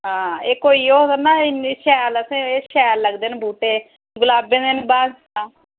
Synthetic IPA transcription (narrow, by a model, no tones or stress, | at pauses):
ɦãːeːkoːiːoːt̪ənaːɪnːʃɛːləsẽːeːʃɛːlləɡd̪eːnbʱuːʈeː | ɡʊlaːbẽːd̪eːnbaːs | aː